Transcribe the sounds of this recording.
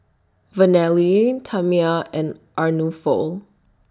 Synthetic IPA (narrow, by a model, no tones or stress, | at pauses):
vənɛlitʰamiaɛ̃nʔaɹnufo̰lˠ